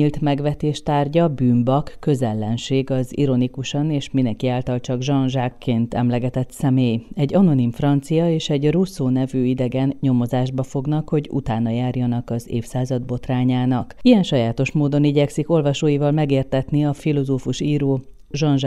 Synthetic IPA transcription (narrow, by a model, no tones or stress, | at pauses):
ilt̪mɛɡʋɛt̪eːʃt̪aːrɟɒbyːmbɒkːø̞zɛlːɛnʃeːɡɒzḭɾo̞nikuʃɒneːʃmind̪ɛŋkiaːlt̪ɒlt͡ʃɒɡʒɒnʒaːkːeːnt̪ɛ̰mlɛɡɛt̪ɛt̪sɛmeːjɛɟːɒno̞nimfrɒnt̪sijɒeːʃɛɟrusoːnɛvyːid̪ɛɡɛnɲo̞mo̞zaːʒbɒfo̞ɡnɒkho̞ɟṵt̪aːnɒjaːrjɒnɒkɒzḛːfsaːzɒd̪̚bo̞t̪raːɲaːnɒkijɛnʃɒjaːt̪o̞ʃmoːd̪o̞niɟɛksiko̞lvɒʃoːjivɒlmɛɡeːrt̪ɛt̪niɒfilo̞zoːfuʃiːɾoː | ʒɒnʒ